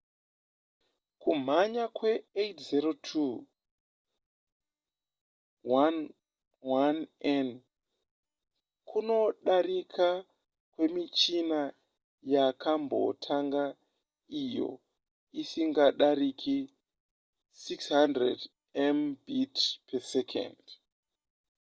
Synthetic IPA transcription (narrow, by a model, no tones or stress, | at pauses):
kum̤aɲakwe̞etzeɾotʰu | wan | wanen | kʰuno̞ɗaɾikʰa | kwe̞mit͡ʃina | jakʰambo̞̰tʰaŋɡa | ijo̞̰ | isiŋɡaɗaɾikʰi | siksɦandrḛd | embitpʰesekʰa̰nd